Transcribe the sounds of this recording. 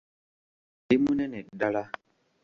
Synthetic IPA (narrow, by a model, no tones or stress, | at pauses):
imunɛnɛdala